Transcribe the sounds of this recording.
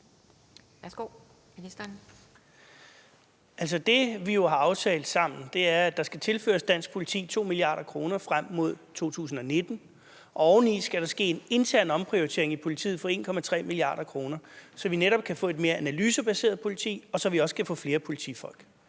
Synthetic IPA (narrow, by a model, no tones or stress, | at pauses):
ʋæɐsɡ̥o̰ | isd̥n | ʔæl̰s̬ɒ̽d̥e̝ʋijo̝hɑ̈ɑ̈ʊt͡sʰɛ̰ːld̥sɑ̈m̰n̩d̥e̝æɐæd̥ɑ̈sɡ̥æt͡sʰe̝lfø̰ːɐsd̥æn̰sɡ̥̚pʰo̝lit͡sʰḭːt͡sʰo̝̰ːmiliɑ̰̈ːɾ̥ɐkʰʁo̝ːnɐfʁam̰ːo̝ð̞̰ˠt͡sʰo̝̰ːt͡sʰṵːsn̩ɒ̽ne̝d̥n̩ | ʔɒ̽ɒʊn̩isɡ̥æɾ̥ɑ̈sɡ̥e̝̰ːene̝nt͡sʰæɐ̰nɒ̽mpʰʁioʁit͡sʰe̝ɐe̝ŋipʰo̝lit͡sʰḭːð̩ˠfɒ̽e̝ːnkʰɒ̽mæt͡sʰʁɛ̰ːmiliɑ̰̈ːɾ̥ɐkʰʁo̝ːnɐsɒ̽ʋineɾɒ̽b̥̚kʰæfɔ̰̽ːe̝d̥̚me̝ːɐʔænælyːsəb̥æse̝̰ːɐð̩ˠpʰo̝lit͡sʰḭːɒ̽sɒ̽ʋiɒ̽sə̥kʰæfɔ̰̽fle̝ːɐpʰo̝lit͡sʰḭfɒ̽l̰ɡ̥